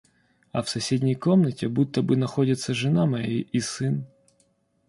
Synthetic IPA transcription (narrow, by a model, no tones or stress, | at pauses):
ɐfsɐsʲedʲnʲɪjkomnətʲɪbut̪ːəbɨnɐxɔdʲɪt̪sːɐʐɨnamɐjiʔisɨn